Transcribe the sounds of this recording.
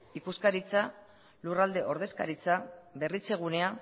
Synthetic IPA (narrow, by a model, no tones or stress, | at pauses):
ikuskaɾit͡sa | lurald̪e̞ʔo̞ɾð̞e̞skaɾit͡sabe̞rit͡se̞ɣ̞une̞a